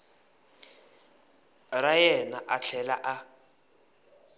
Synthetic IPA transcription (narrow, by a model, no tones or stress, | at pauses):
rajɛnaʔaɬʰɛlaʔa